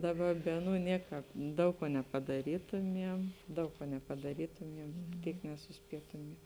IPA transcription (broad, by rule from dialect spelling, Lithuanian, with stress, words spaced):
dɐˈbɐ ˈbʲɛ ɐˌnuː ˈnʲiɛˌkɑːp ˈdɐʊk kuɔ nʲɛpɐdɐˈrʲiːtʊmʲiɛm ˈdɐʊk kuɔ nʲɛpɐdɐˈrʲiːtʊmʲiɛm ˈtʲiːk nʲɛsʊˈsʲpʲiɛtʊmʲiɛm